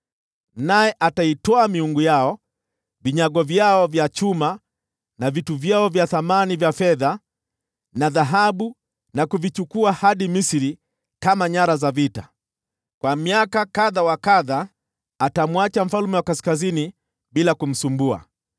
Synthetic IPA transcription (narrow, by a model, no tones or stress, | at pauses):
najɛʔataitɔamiuŋɡujaɔ | viɲaɠɔvjaɔvjat͡ʃuma | navituvjaɔvjaθamanivjafɛða | naðaɦaɓu | nakuvit͡ʃukuahaɗimisiɾi | kamaɲaɾazavita | kwamiakakaðawakaðaː | tamwat͡ʃam̩falumɛwakaskazini | ɓilakum̩sumbua̰